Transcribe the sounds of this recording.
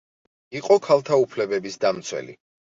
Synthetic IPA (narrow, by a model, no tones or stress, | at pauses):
iqʼɔkʰalˠt̪ʰaupʰlɛbɛbisd̪amt̪sʰwɛ̰lḭ